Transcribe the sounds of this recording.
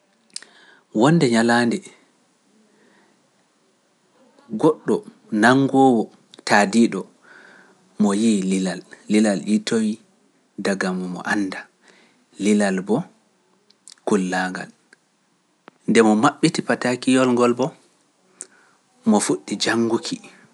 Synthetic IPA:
wɔndɛɲalandɛ | ɡɔɗːɔ | naŋːɡɔːwɔ | tadiɗɔ | mɔjililalːilalʔitʰowi | daɡamɔmɔ̰ʔanːda | lilalbɔ | kulːaŋɡa̰l | ndɛmɔmaɓːitipatakijɔlŋɡɔlbɔ | mɔfuɗːid͡ʒaŋːɡukʰi

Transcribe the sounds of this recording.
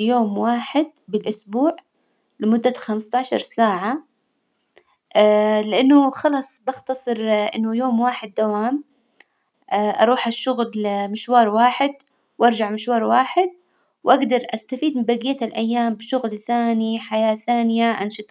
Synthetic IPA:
joːmwaːħɪd̪̚bɪlʔʊsbuːʕ | lɪmʊd̪ːaxamst̪aʕʃɑ̰ɾˤsaːʕa | lɪʔanːʊxɑlɑːsˤbaxt̪ɑsˤɨɾʔɪ̰nːʊjoːmwaːħɪd̪ːawaːm | ʔaʔɑ̰ɾˤuːħaʃːʊɣlmɪʃwɑːɾˤwaːħɪd̪ | wʔɑɾˤd͡ʒaʕmɪʃwɑːɾˤwaːħɪd̪̚ | wʔaɡd̪ɑɾˤʔast̪afiːd̪mɪmbaɡɪjːat̪alʔajːaːmbɪʃʊɣlθaːniħajaːθaːnɪjaʔanʃɨt̪ˤ

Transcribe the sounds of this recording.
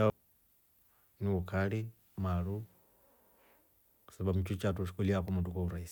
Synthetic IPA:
a | niβukali | malu | saβamut͡ʃut͡ʃatuʃi̥kuliakumudukouɾaisi̥

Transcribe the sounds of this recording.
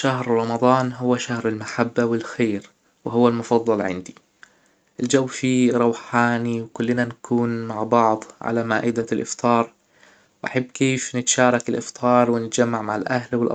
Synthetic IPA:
ʃaɦɾɾˤɑmɑd̪ˤɑːnɦʊwːaʃahɾɪlmaħabːawɪlxeːɾ | wɪɦʊwːalmʊfɑðˤːɑlʕɪ̰nd̪i | ʔɪld͡ʒawːfiɾˤɑwħaːniwkʊlːnankʰuːnmaʕbɑʕd̪ˤʕa̰lamaːʔɪd̪alʔɪ̰ft̪ˤʰɑːɾˤ | wʔa̰ħabːkeːfnɪt̪aʃɑːɾˤɑkɪlʔɪft̪ˤʰɑːɾˤwɪnɪt̪d͡ʒamːaʕmaʕɪlʔahlwɪlʔɑ̰

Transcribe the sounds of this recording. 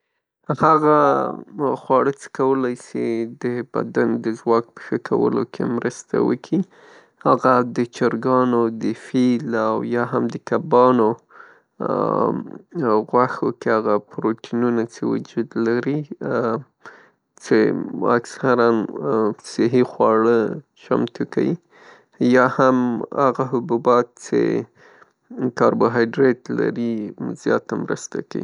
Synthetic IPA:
haɣa | xwɑɽət͡sə̥kawəlɑjsid̪əba̰d̪and̪əzwɑk̚pə̥xəkʰa̰wə̰lo̰kʰḛmɾəst̪a̰wə̰kʰi | haɣad̪ət͡ʃaɾɡɑnod̪əfilawjɑɦamd̪əkabɑno | ɣwaxokeaɣapɾoʈʰinunat͡ʃewʊ̰d͡ʒud̪laɾi | t͡ʃḛa̰ksaɾansɪɦixwɑɽə | t͡ʃa̰mt̪uka̰wi | jɑhamaɣaɦʊbubɑt̪̚t͡ʃḛ | kɑɾboɦɑjɖɾetla̰ɾizjɑ̰t̪amɾə̰st̪a̰kaḭ

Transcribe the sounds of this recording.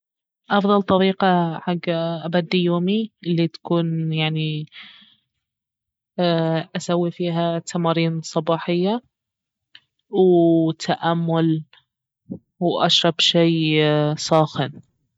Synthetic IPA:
ʔɑfðˤɑlt̪ˤɑɾiːqaħaɡːaʔabad̪ːijoːmiɪlːit̪ḁkuːnjaʕni | ʔasawːifiːɦat̪ʰamɑːɾiːnsˤɑbɑːħɪjːa | wt̪ʰaʔamːʊl | wʔa̰ʃɾˤɑbʃeːsˤɑːxɪn

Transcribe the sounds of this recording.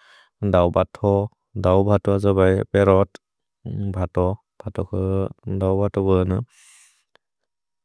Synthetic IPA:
dawbatʰɔ | dawbʱatɔazɔbajpɛɾɔt | bʱatɔ | b̥ʱatɔkʰɯdawbatɔbɯnɯ

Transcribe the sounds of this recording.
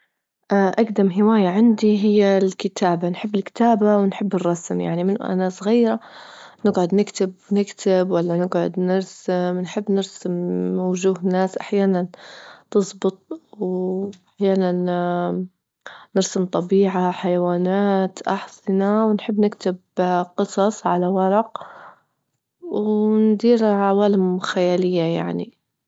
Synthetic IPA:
ʔaʔaɡd̪amɦɪwaːjaʕɪnd̪iɦɪjːalkɪt̪ʰaːbanħɪbːɪlkt̪aːbawɪnħɪbːɨrˤːɑsmja̰ʕnimɪn̰ʔa̰nasˤɣiːɾanɪɡʕʊd̪nɪkt̪ɪbnɪkt̪ʰɪbwalːanɪɡʕʊ̰d̪nɪɾsɪmnħɪbːnɪɾsɪmːawʒuːhnːaːsʔaħjaːnant̪ɨsˤbɨt̪̚ˤwʔaħjaːnan | nɪɾsɪmt̪ˤɑbiːʕaħajawaːnaːt̪ʔɑħsɪnawnħɪbːnɪkt̪ɪbqɨsˤɑsˤʕalawɑɾˤɑq | wnd̪iːɾʕawaːlɪmxajaːlɪjːaja̰ʕnḭ

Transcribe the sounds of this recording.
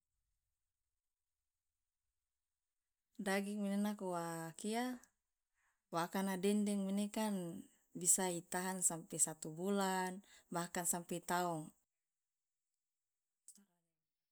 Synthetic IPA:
daɡiŋmɛnɛnakɔwakia | wakanadɛndɛŋmɛnɛkan | bisait̪aɦansampɛsat̪ubulanbahkansampɛt̪aɔŋ

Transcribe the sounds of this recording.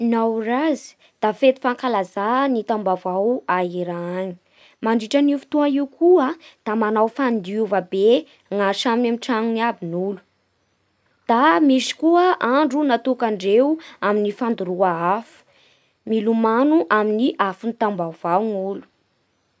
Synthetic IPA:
nawrazi̥ | d̪̥afet̪i̥faŋkalazanit̪ambavawaɦiɾaɲi̥ | maɳɖ͡ʐiʈ͡ʂanifu̥t̪uaiwkʰuəd̪̥amanawfand̪iuvabe | ŋaʃamamiʈ͡ʂaŋunabinulu̥ | d̪̥amisi̥kuəʔaɳɖ͡ʐunat̪ukaɳɖ͡ʐewaminifand̪uɾuaafu̥ | milumanuʔaminiʔafunit̪ambavawŋulu̥

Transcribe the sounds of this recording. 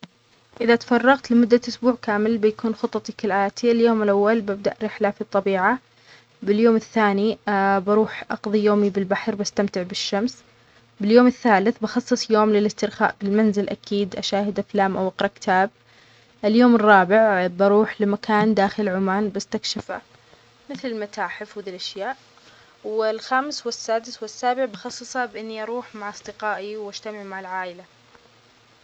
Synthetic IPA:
ʔɪðat̪fɑrˤːɑɣt̪lɪmʊd̪ːaʔʊsbuːʕkaːmɪlbɪjakuːnxʊt̪ˤːɑt̪ˤikɪlʔaːt̪ʰiɪljoːmɪlʔawːalbɪb̚d̪aʔɾɪħlafit̪ˤːɑbiːʕa | bɪljoːmɪθːaːnibɑɾuːħʔɑqðˤijoːmibɪlbaħɾbast̪amt̪ɪʕbɪʃːams | bɪljoːmɪθːaːlɪθbɑxɑsˤːɨsˤjoːmlɪlɪst̪ɪɾxa̰ːʔbɪlmanzɪlʔa̰kiːd̪ʔaʃaːhɪd̪ʔaflaːmʔawʔɑqɾˤɑʔkɪ̥t̪ʰaːb̚ | ʔɪljoːmɪrˤːɑːbɪʕbɑɾˤuːħlɪmakʰaːnd̪aːxɪlʕʊmaːnbast̪akʃɪfa̰ | mɪθlɪlmat̪ʰaːħɪfwðilʔaʃjaːʔ | wɪlxaːmɪswɪsːaːd̪ɪswɪsːaːbɪʕbɑxɑsˤːɨsˤabʔɪnːiʔɑɾˤuːħmaʕɑsˤd̪ɪqɑːʔiwʔad͡ʒt̪amɪʕmaʕɪlʕaːʔɪla

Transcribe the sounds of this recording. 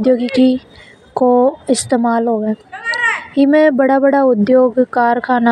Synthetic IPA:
d̪joːɡiki | koɪst̪eːmaːlɦoːɡɛː | ɦimẽbəɽaːbəɽaʊd̪joːɡkaːɾkʰaːna

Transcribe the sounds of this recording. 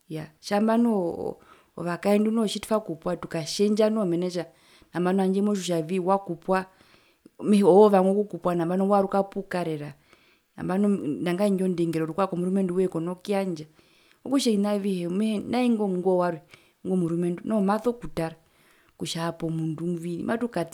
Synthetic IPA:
jaʃambanɔ̰ | ɔ̰ʋakaɛndunɔʃitu̥fakupwatukaʃɛɲd͡ʒanɔmɛnɛʃ̬a | nambanɔaɲd͡ʒɛmɔʃ̬uʃ̬aviwakupwa | mɛɔɔʋaŋɡɔkukupwanambanɔwaɾukapukaɾɛɾa | na̰mbanɔndaŋɡaiɲd͡ʒɔndɛŋɡɛɾɔɾukwakɔmuɾumɛnduwɛkɔnɔkiaɲd͡ʒa | ɔkuʃɛinaʋihɛmɛhɛnaiŋɡɔŋɡɔwaɾwɛ | ŋɡɔmuɾumɛndunɔmaθɔkutaɾa | kuʃaːpɔmundumvinḭmʔatukat

